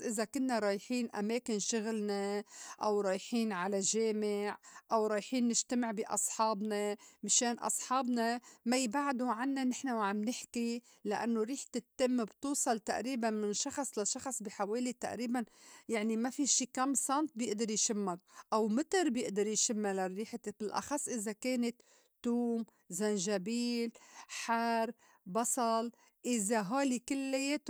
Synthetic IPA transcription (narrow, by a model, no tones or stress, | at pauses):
ʔɪzakʊnːaɾˤɑːjħiːnʔa̰meːkɪnʃʊɣlnaʔawɾˤɑːjħiːnʕalaʒeːmɪʕʔawɾˤɑːjħiːnːɪʒt̪amɪʕbiʔɑ̰sˤħɑːbnamɪʃeːnʔɑ̰sˤħɑːbnamajbaʕd̪uʕanːanɪħnawʕamnɪħki | laʔa̰nːoɾiːħt̪ɪt̪ːɪmːbt̪uːsˤɑlt̪aʔɾiːbanmɪnʃɑxsˤlaʃɑxsˤbiħaweːlit̪a̰ʔɾiːbanjaʕnimafiʃiːkamːsɑnt̪̚bjɪʔd̪ɪɾjʃɪmːakʔawmɪt̪ɪɾbjɪʔd̪ɑɾjʃɪmːalarːiːħt̪ɪbɪlʔɑ̰xɑsˤːʔɪzakeːnɪt̪ː | uːm | zanʒabiːlħaɾ | bɑsˤɑl | ʔɪzaɦoːlikɪlːajeːt̪